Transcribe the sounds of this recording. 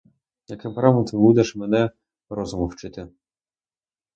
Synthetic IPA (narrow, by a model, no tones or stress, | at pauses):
jakɪpɾamɔt̪ɪbud̪ʲɛʃmɛnɛ | ɾɔzʊmɔwt͡ʃɪt̪ʲɪ